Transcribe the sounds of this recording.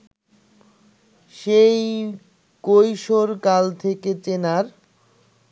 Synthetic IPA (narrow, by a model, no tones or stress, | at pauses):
ʃej | kojʃoɾkalt̪ʰeket͡ɕenaɾ